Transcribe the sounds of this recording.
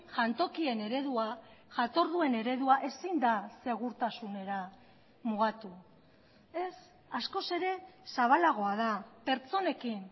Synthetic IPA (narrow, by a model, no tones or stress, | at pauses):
ʝant̪o̞kie̞ne̞ɾe̞ðuaʝat̪o̞ɾðue̞ne̞ɾe̞ðuaʔe̞sind̪ase̞ɣ̞uɾt̪asune̞ɾa | muɣat̪u | e̞s | asko̞se̞ɾe̞saβalaɣ̞o̞að̞ape̞ɾt͡so̞ne̞kin